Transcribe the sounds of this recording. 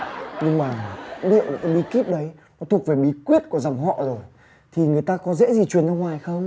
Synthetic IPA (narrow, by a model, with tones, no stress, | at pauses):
ɲɨ˧ŋmaː˨˩˧ɗḭ˧˨əwʔka˨˦ɓi˨˦ki˦˥p̚ɗə˨˦jnɔ˨˦t̪ʰu˨˩ək̚ve˨˩ɓi˨˦kwi˦˥ət̚ku˧˩əza˨˩mɦɔ̰˧˨zo˨˩j | t̪ʰi˨˩ŋɨ˨˩əjt̪aː˧kɔ˨˦zɛ̰˧˥zi˨˩t͡ɕwi˨˩ənzɔː˧ŋwaː˨˩jxə˧wŋ͡m